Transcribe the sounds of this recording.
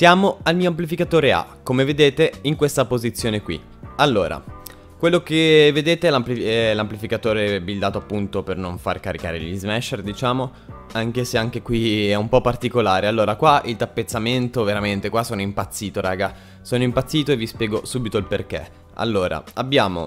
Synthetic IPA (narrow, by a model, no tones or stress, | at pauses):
d̪jaːmoalmiːoamplifikat̪oːɾea̰kːomeved̪eːt̪eiŋkwest̪apozit̪sːjoːnekwḭ | alːoːɾa̰ | kwelːok̟eved̪eːt̪elamplilamplifikat̪oːɾebild̪aːt̪oapːunt̪opernoɱfa̰rkaɾika̰ːɾḛʎizmɛʃerd̪it͡ʃaːmo | aŋk̟eseaŋk̟ekwiɛumpɔpːart̪ikolaːɾealːoːɾakwaʔilt̪apːet̪sːament̪oveɾament̪ekwasoːnoimpat̪sːiːt̪oɾʔa̰ːɡa | soːnoimpat̪sːiːt̪oevispjɛːɡosuːbit̪oilperk̟ḛ | a̰lːoːɾa̰abːjaːmo̰